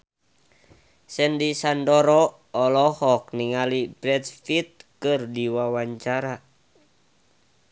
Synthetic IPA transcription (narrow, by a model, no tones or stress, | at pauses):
sɛndisandɔɾɔ | ɔlɔhɔk̚niŋalibɾɛdfit̪̚kɨrdiwawaɲt͡ʃaɾa